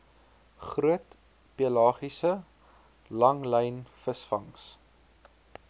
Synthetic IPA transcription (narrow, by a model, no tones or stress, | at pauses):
χruət | piəlɑːχisə | lɐŋlɛjnfəsfɐŋs